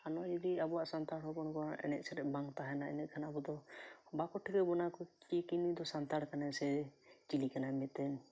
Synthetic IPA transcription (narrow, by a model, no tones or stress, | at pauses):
anɔd͡ʒɔd̪iabɔaʔsant̪aɽɦɔbɔnkɔnʔɛ̰nɛ̰ʔ̚sɛɾɛʔbaŋt̪aɦɛnaɛ̰nɛʔ̪̚kʰanaabɔd̪ɔbakɔʈʰikɛbɔnakɔkikinid̪ɔsant̪aɽkanɛsɛt͡ʃilikanamɛt̪ɛn